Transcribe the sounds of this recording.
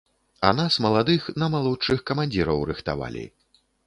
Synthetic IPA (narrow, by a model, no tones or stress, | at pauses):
ɐ̰nasmɐlˠad̪ɨxnɐmalˠɔtt͡ʂɨxkɐmanʲd͡zʲiɾɐwrɨxt̪a̰va̰lʲḭ